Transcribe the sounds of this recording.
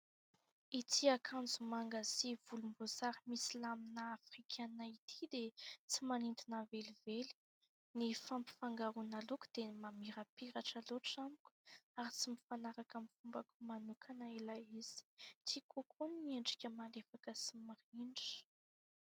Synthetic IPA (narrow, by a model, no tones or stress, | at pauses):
it̪ʰiakʰand͡zumaŋɡazivulumbozaɾimisilaminaːfrikʲʰanait̪ʰid̪et͡simanint̪inaveliveli̥ | nifampi̥faŋɡaɾunaluku̥d̪̥emamiɾapiɾaʈ͡ʂəloʈ͡ʂamikʲu̥aɾit͡simifanaɾakəmifumbakumanukʰanaelaiz̥i̥t̪ʰikʰokʰunieɳɖ͡ʐikʲəmalefakəsimariɳɖ͡ʐi̥